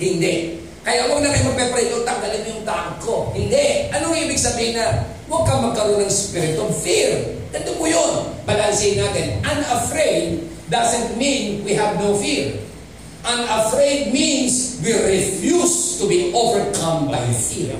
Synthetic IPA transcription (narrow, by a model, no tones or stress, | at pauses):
hɪnd̪ɛʔ | kɐjaʔwɐɡ̚nɐkajmɐɡ̚pɛpɾejd̪oŋt̪ɐŋɡ̪ɐlɪnjʊŋt̪aːʔokohɪnd̪ɛʔʔɐnoŋʔiːbɪɡ̚sɐbiːhɪna | wɐɡ̚kaŋmɐɡ̚kɐɾonɐŋɛspiɾɪt̪ɔvfiɹd̥̪ɐt̪ʊpʊjonpɐlaːjsiɪnaːt̪ɪnãjmɐfɹeɪd̪̚ː | asɛ̃nt̪̚mĩnwiɦɐvnowfiɹ | ʔamɐfɹejd̪̚mĩnswiɾɪfjust̪ʊbiʔovɛɹkʰãmbajfiɹ̰